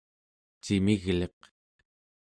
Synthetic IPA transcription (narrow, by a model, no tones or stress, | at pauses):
t͡ʃimiɣleq